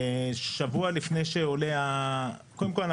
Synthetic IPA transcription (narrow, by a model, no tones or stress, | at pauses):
ʃavualifnejʃeoleakodemkol